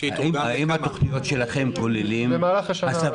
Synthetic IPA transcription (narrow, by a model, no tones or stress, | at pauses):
imimat̪oχnijo̞tʃe̞laχe̞mkolilimemaːlaχaʃaasa